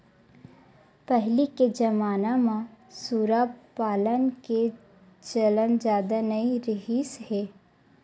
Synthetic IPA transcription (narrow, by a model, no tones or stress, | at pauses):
pɛɦliked͡ʒɐmaːnamãsuːɾapaːlənke | t͡ʃələnd͡ʒjaːd̪anɐiɾɪɦiːshɛː